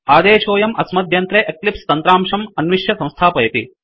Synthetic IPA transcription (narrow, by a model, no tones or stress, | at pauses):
aːd̪eːʃoːjɐmɐsmɐd̪ʱjɐnt̪ɾeːʔeklipst̪ɐnt̪ɾaːmʂɐmɐnʋiʂjɐsɐ̃mst̪ʰaːpɐjɐt̪ḭ